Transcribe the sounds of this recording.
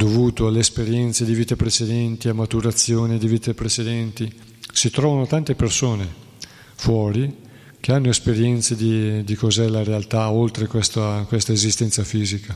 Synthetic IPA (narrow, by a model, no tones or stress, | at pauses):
d̪ovuːt̪oalːeːspeɾjɛnt̪sed̪iviːt̪apɾet͡ʃed̪ɛnt̪iamːat̪uɾat̪sːjoːned̪ivit̪epɾet͡ʃed̪ɛnt̪i | sit̪ɾɔːvanot̪ant̪epersoːne | fwɔːɾi | k̟eanːoespeɾjɛnt̪sed̪id̪ikozɛlaɾealt̪aolt̪ɾekwest̪akwest̪aezist̪ɛnt̪safiːzika